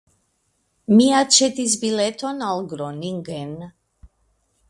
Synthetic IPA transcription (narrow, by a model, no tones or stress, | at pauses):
miat͡ʃɛt̪izbilɛt̪ʰɔnalɡɾɔniŋɡɛn